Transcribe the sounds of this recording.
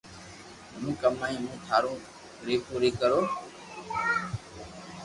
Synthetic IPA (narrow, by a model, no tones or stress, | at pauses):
mũːkəmaːĩːmũːt̪ʰaːɾõː | ɾeːkʰõːɾeːkəɾoː